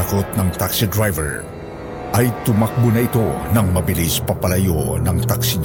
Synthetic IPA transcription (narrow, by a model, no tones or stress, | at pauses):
kot̪̚nɐŋt̪aksid̪ɹajvɛɹ | ʔɐjt̪ʊmak̚bʊnɐɪt̪o̞nɐŋmɐbɪlispɐpɐlɐjonɐŋt̪aksiɲ